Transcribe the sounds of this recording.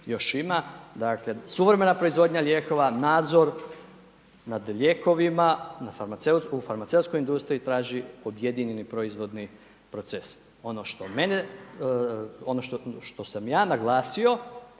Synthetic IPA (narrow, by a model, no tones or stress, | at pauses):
jo̞ʃimad̪akle̞suʋɾeme̞napɾo̞izʋo̞d̪ɲaʎʲje̞ko̞ʋanaːd̪zo̞ɾ | nad̪ʎʲeko̞ʋimanafaɾmat̪seutufaɾmat̪se̞ut̪sko̞jind̪ust̪ɾiit̪ɾaːʒio̞bje̞d̪iɲe̞nipɾoizʋo̞d̪ni | pɾo̞t̪ses | o̞no̞ʃt̪o̞me̞ne | o̞noʃʃt̪o̞samjaːnaɡlˠaːsio̞